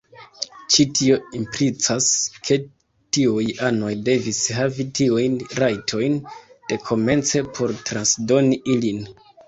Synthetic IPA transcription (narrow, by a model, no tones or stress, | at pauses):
t͡ʃitʰio̞impɾit͡saskʰe̞ | tiujano̞jde̞visɦavitiujnɾajtʰo̞jnd̥e̞kʰo̞me̞nt͡se̞pʰo̞ɾtɾansdo̞niʔilin